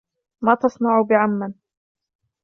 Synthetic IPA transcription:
maːt̪ɑsˤnɑʕʊbɪʕamːan

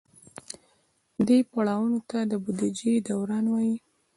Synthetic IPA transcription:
d̪epaɽɑwunot̪ad̪əbud̪id͡ʒed̪awɾɑnwɑji

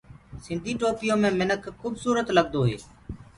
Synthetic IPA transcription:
sɪ̃nd̪ʱiːʈoːpɪjõːmẽːmɪnəkʰːuːbsuːɾət̪ləɡd̪oːɦḛː

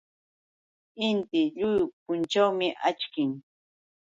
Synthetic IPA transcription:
ɪnt̪ɪʎʊjʊpʊnt͡ʃawmɪʔat͡ʃkɪŋ

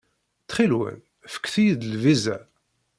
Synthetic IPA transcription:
t͡sːχilwə̰n | fə̥kːθijid̪əlvizæ̰

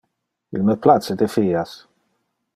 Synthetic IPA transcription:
ḭlmeplased̪efiːas

